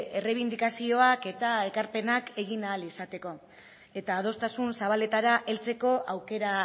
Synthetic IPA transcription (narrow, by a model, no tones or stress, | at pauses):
e̞re̞β̞ind̪ikasio̞ake̞t̪ae̞kaɾpe̞nake̞ɣ̞inaːlisat̪e̞ko̞ | e̞t̪aːð̞o̞st̪asunsaβ̞ale̞t̪aɾaʔe̞lt͡se̞ko̞ʔawke̞ɾa